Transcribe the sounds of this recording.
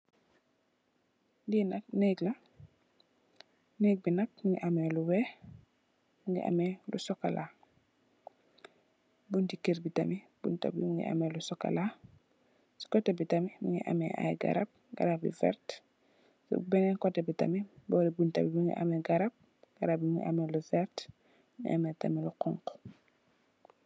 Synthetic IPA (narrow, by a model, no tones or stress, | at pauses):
dinakneɡla | nek̚binak̚muŋiʔameluwɛː | muŋɡḭʔa̰melusokalʔa | buntikeɾbitami | b̥ṵnta̰bḭmuŋɡḭʔa̰melusoka̰la | su̥kɔtɛbitamimuŋɡḭʔa̰mɛ̰ʔa̰jɡa̰ɾab̚ɡa̰ɾab̚bḭvɛ̰ɾt | sṵbɛŋɛnkɔtebita̰mibɔɾibuntabibiŋɡḭʔa̰mɛɡaɾab̚ | ɡ̥aɾap̚bimiŋḭʔa̰mɛluvɛɾt | ŋḭʔamɛtamiluqɔ̰ŋk